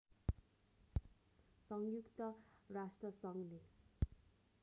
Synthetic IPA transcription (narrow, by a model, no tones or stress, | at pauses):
sʌŋjukt̪ʌrasʈrʌsʌŋle